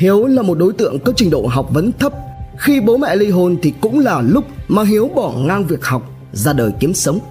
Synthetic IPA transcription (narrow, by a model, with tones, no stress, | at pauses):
hi˨˦wlaː˨˩mo˨˩t̚ɗo˨˦jt̪ɨ̰˧˨əŋkɔ˨˦t͡ɕï˨˧˩ŋ̟ɗo̰˧˨ɦa˨˩wk͡p̚və˨˦nt̪ʰə˦˥p̚xi˧ɓo˨˦mɛ̰˧˨li˧ɦo˧nt̪ʰi˨˩kʊ̰˧˥ŋ͡mlaː˨˩lʊ˦˥k͡p̚maː˨˩ɦi˨˦əwɓɔ˧˩ŋaː˧ŋvi˨˩ək̚ha˨˩wk͡p̚ | zaː˧˩ɗəː˨˩jki˨˦əmsə˨˦wŋ͡m